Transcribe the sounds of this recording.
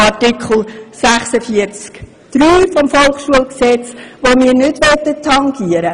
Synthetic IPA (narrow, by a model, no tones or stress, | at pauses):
ɑrtikχl̩sæχsəfiəɾt͡sk | d̪̥ɾyːfɔmfɔlˠχʃuəlksɛt͡sʋomiːɾnʏdʋœt̪ət̪ʰːɑŋɡiəɾə